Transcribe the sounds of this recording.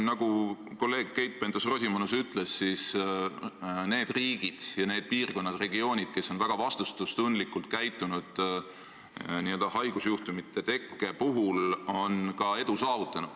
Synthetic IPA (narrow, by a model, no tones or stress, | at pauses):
nɑɡu | ko̞lːe̞ːɡ̥̚ke̞jt̪̚pe̞nt̪osro̞sʲimonusyt̪ːˑle̞sːis | ne̞ːd̪̥riːɡ̥id̪̥jɑneːd̪̥̚piːrko̞nːɑd̪re̞ɡio̞ːnʲid̪̥̚ke̞sːo̞nvæɡ̥ɑvɑst̪ust̪ust̪und̪likːˑult̪̚kæjt̪ˑːunud̪̥ | niøld̪ɑhɑjɡ̥usjuht̪umit̪ːˑe̞t̪e̞kːe̞puɦulo̞nkɑe̞d̪usɑːvut̪ːˑɑnud̪̥